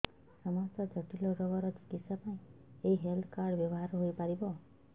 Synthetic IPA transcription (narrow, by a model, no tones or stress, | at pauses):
sɔmɔst̪ɔd͡ʒɔʈilɔɾɔɡɔɾɔd͡ʒu̥kisapaĩ | eiɦeld̪ʰkaɾɖbjɔbɔɦaɾɦojpaɾibɔ